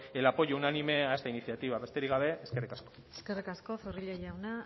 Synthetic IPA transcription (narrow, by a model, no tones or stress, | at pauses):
elapo̞jounanime̞aest̪ainisiat̪iβaβe̞st̪e̞ɾiɣaβe̞eske̞rikasko̥ | eskerikasko̞foriʎajawna